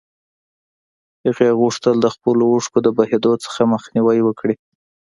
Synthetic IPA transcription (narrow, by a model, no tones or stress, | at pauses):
həɣeɣuʂt̪əld̪əxpəlouʂkod̪əbahed̪ot͡sə̥xaməxniwajwəkɽi